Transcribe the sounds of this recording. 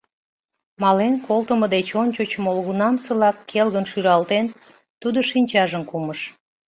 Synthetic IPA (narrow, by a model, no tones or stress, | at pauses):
mɑlenkolt̪əməd̪et͡ɕonʲt͡ɕot͡ɕəmolɣunɑmsəlɑkʰːelɣənʃyɾɑlt̪en | t̪ud̪oʃinʲt͡ɕɑʒəmkuməʃ